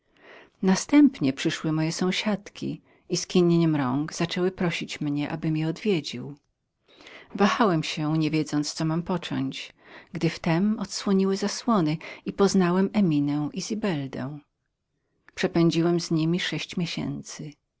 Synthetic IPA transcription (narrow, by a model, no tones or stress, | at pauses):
nast̪ɛmpɲɛpʂɘʂwɘmɔjɛsɔ̃w̃ɕat̪kʲḭ | iskʲiɲeɲɛmɾɔŋɡz̥at͡ʂɛwɘpɾɔɕit͡ɕmɲɛʔa̰bɘmʲjɛɔd̪vʲjed͡ʑḭw | vaxawɛmɕɛɲɛvʲjɛd̪zɔnt̪st̪sɔmampɔt͡ʂɔ̰ɲt͡ɕɡd̪ɘft̪ɛmɔt̪swɔɲiwɘzaswɔnɘipɔznawɛmɛmʲinɛwʔizʲibɛld̪ɛ̰̃w̃ | pʂɛpɛɲd͡ʑiwɛmzɲimʲiʂɛɕt͡ɕmʲjeɕɛ̰nt̪sɘ